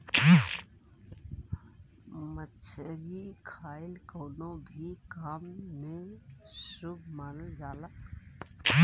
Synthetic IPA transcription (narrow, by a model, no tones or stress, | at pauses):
mətːʃʰeɾikʰaːɪlkoːnõbʱikaːmːẽsɾub̚ʱmaːnəld͡ʒaːlək